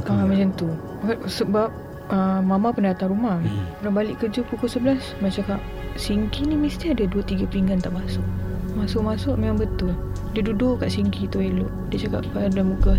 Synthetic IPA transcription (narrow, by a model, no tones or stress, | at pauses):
əmat͡ʃant̪u | kasəbap̚ | əmamapəndaat̪anɾumahuɾabalɪʔkəd͡ʒəpukʊsəbəlas | mat͡ʃakaʔ | siŋkinimist̪iadaduət̪iɡapiŋɡant̪aʔmasʊʔmasʊʔmasʊʔmemaŋbət̪ʊl | didudʊʔkaʔsiŋkit̪uelʊʔdiət͡ʃaka̰ʔpaadamuka